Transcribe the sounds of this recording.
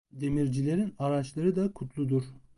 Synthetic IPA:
d̪e̞miɾd͡ʒilʲe̞ɾinaɾat͡ʃlˠaɾɯd̪akʰut̪ʰlˠud̪uɾ

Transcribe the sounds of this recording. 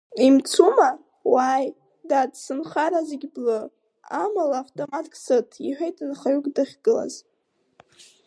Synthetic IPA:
imt͡sʰuma | waj | dadsɨnχaɾazeɡʲblɨ | amalaːftʼomatkʰʼsɨtʰiħʷᶣejtʰanχaɥukʼdaχʲɡ̥ɨla̰z

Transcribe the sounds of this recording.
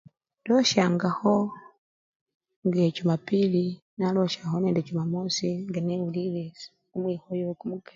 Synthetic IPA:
doʃaŋɡaho | ŋɡecumapili | naloʃahoneːndecumamosiŋɡenemuliβesi̥ | umwiːhojokumukḁ

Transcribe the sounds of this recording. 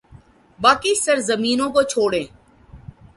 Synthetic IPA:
baːkisəɾzəmiːnõːkot͡ʃʰoːɽẽː

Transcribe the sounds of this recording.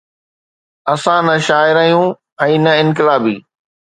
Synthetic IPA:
ɐsãnɐʃaːɪɾɐɦijũː | ɛ̃ːnɐɪ̃nk̬ɪlaːbḭː

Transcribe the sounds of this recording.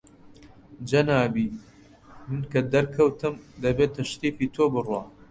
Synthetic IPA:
d͡ʒɐnaːbi | mɨnkɐd̪ɐɾkʰɐwt̪ɨmd̪ɐbeːt̪ʰɐʃt̪iːfiːt̪ʰoːbɨrwa

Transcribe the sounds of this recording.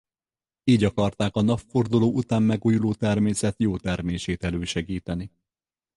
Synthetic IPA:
iːɟɒkɒrt̪aːkɒnɒffo̞rd̪uloːʔut̪aːmːɛɡuːjuloːt̪ɛrmeːsɛt̪joːt̪ɛrmeːʃeːt̪ɛløːʃɛɡiːt̪ɛni

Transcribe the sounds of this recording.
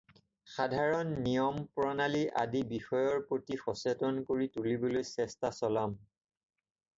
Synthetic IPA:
xadʱaɹɔnːijɔmpɹɔnaliʔa̰dibixɔjɔɹpɹotixɔsetɔnkoɹitulibɔlojsɛstasɔlam

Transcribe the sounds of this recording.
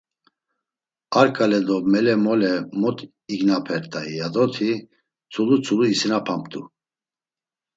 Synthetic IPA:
aɾkʼalɛd̪ɔmɛlɛmɔlɛmɔt̪ʼ | iɡnapʰɛɾt̪ʼaijad̪ɔt̪ʰi | t͡sʰulut͡sʰuluisinapʰamt̪ʼu

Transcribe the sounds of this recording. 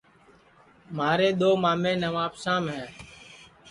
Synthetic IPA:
maːɾeːɗ̪oːmaːmẽːnəʋaːpsãːmɦɛ̃ː

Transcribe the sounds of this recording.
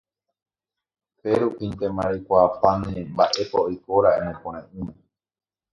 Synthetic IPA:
fe̞ɾupint̪emãɾikʷapãnẽmbaʔe̞paojkoɾaẽmõpõɾ̃ãʔɨ̃mẽ

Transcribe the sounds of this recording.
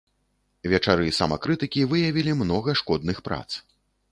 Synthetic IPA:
vʲɛt͡ʂaɾɨsɐ̰mɐ̰kɾɨt̪ɨkʲivɨjɐvʲilʲimnɔɣɐʂkɔd̪̚nɨxpɾa̰t̪s

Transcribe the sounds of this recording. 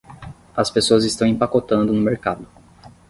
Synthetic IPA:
ɐspesoɐzɪst̪ɐ̃w̃ĩpakot̪ɐ̃nd̪ʊnʊmeɾkad̪ʊ

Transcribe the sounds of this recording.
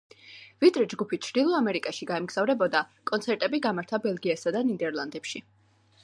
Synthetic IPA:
vit̪ʼɾɛd͡ʒɡupʰit̚t͡ʃʰɾd̪̥ilˠɔamɛɾikʼaʃiɡaɛmɡz̥avɾɛbɔd̪akʼɔnt̪sʰɛɾt̪ʼɛbiɡamaɾt̪ʰabɛlˠɡiasad̪anid̪ɛɾlˠand̪ɛpʃi

